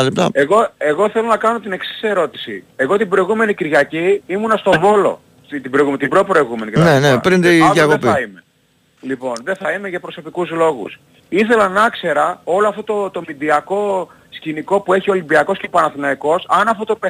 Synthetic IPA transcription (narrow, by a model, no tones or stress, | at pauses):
ɐlipt̪ɐ̰eɣo̞e̞ɣo̞θe̞lo̞nɐkɐno̞t̪ine̞ksi̥se̞ɾo̞t̪i̥sḭe̞ɣo̞t̪ibɾo̞iɣume̞niciɾʝɐciimunɐst̪o̞vo̞lo̞̰ | it̪ibɾoiɣumt̪ibɾopɾoiɣume̞nienenepɾint̪ijɐkopiɐime | lipo̞nðe̞θɐimeʝɐpɾo̞so̞pikuzlo̞ɣṵs | iθe̞lɐnɐkse̞ɾɐo̞loɐft̪o̞t̪o̞t̪o̞mid̪iɐko̞ | sciniko̞pue̞çio̞limbiɐko̞scepɐnɐθinɐiko̞sɐnɐft̪ot̪ope